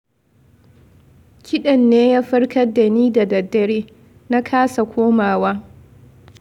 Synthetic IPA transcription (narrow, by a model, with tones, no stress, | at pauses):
kʲɪ˦ɗɐ˨nːeː˦jaː˦ɸɐ˦ɽkʰɐ˦da˨niː˦da˨dɐ˨dːɐ˨ɽeː˦ | na˦kʰaː˦sa˨kʷoː˦maː˨waː˦